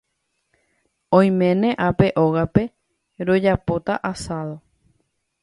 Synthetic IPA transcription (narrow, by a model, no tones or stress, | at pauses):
õj̃mẽ̞nẽ̞ʔape̞ʔo̞ɣape̞ | ɾo̞d͡ʒapo̞t̪aʔasaðo̞